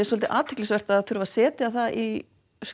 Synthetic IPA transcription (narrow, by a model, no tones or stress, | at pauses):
ɛɾswɔlt̪ɪʔaːt̪ʰɪ̥klɪsvɛr̥t̪aðθʏɾʏvasɛːt̪ɪaθaʔi | s